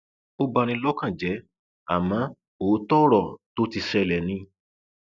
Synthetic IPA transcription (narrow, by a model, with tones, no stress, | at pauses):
o˦ba˧ñĩ˧lɔ˦kã˦˨d͡ʒɛ˨˦ | a̰˨mã˨˦ | oː˨˦tɔ˦ɾɔ˦˨to˦ti˧ʃɛ˧lɛ˨nĩ˧˦